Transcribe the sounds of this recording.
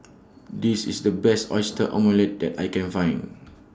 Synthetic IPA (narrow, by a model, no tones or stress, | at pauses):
disḭsdəbɛstɔ̰jstəʔɔ̰̃məlɛt̚dɛtajkɛ̃nfãj̃n